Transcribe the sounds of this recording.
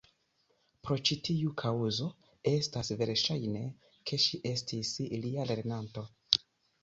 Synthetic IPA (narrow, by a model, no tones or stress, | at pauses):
pɾo̞t͡ʃitiukʰauzo̞ | e̞stasve̞ɾʃajne̞ | kʰe̞ʃiʔe̞stisliale̞ɾnanto̞